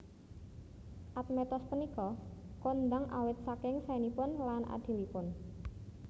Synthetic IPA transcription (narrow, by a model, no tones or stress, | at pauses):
ʔat̪̚mɛt̪ɔspənikɔkond̪aŋʔa̰wɪt̪̚sakɪŋsanipʊnlanʔa̰d̪̥i̤lipʊn